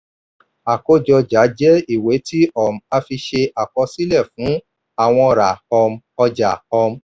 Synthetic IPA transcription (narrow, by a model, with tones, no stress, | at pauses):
a˨ko˦d͡ʒɔ˧d͡ʒa˨˦d͡ʒɛ˦i˦˨we˨˦tʰi˦ɔ˦˨m̩˨a˧fi˧ʃe˧ʔa˨kɔ˧si˦lɛ˦˨fũ˨˦ | a˦˨w̃ɔ̃˧ɾa˨ɔ˧m˦ɔ˧d͡ʒa˨ɔ˧m̩˦